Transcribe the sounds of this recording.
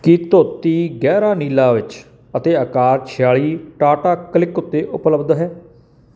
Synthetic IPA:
kɪt̪oːt̪iːɡɛːɾaːniːlaːʋɪt͡ʃ | ət̪eːəkaːɾt͡ʃʰɪjaːliːʈaːʈaːkəlɪkʊt̪ːeːʔʊpləbd̪ɦɛː

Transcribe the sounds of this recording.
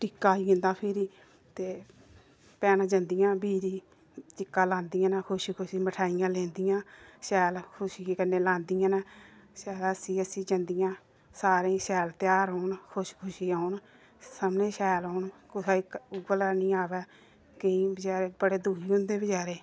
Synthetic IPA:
ʈɪkːaːiõnd̪aːpʰɪɾiː | t̪eː | pɛːnãːd͡ʒãnd̪ijãːbiːɾiː | t͡ʃɪkːaːlãːnd̪iːjãːnakʰʊʃiːkʰʊʃiːməʈʰaːijãːlɛ̃ːnd̪ijãːʃɛːlkʰʊʃiːkənːeːlãːnd̪ijãːnaːsɛːləsĩːəsĩːd͡ʒãnd̪ijãː | saːɾẽisɛːlt̪ɪjaːɾɦoːnkʰʊʃkʰʊʃiːaʊn | səmnẽːsɛːlɔːnkʊsaːiʊɡələɾnĩːaːʋɛː | kəĩːbəd͡ʒaːɾeːbəɽeːd̪uːiːʊ̃nd̪eːbəd͡ʒaːɾeː

